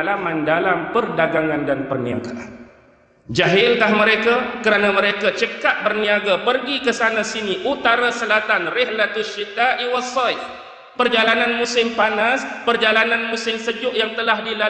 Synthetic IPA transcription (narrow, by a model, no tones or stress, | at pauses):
lamãndalampərdaɡaŋandanpərnia̰ɡaʔan | d͡ʒaɦɪlkahməɾekakəɾanaməɾekat͡ʃəkat̪̚bərniaɡapərɡikəsanãsiniʔut̪aɾasəlat̪anrɪhlat̪ʊʃit̪aʔiwasɔjf | pərd͡ʒalananmũsɪmpanaspərd͡ʒalanãnmũsɪmsəd͡ʒʊʔjaŋt̪əlahdila